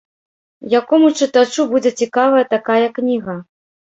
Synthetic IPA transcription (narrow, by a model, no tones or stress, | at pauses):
jakɔmut͡ʂɨt̪at͡ʂubud͡zʲɛt͡sʲikavɐjɐt̪akajɐknʲiɣɐ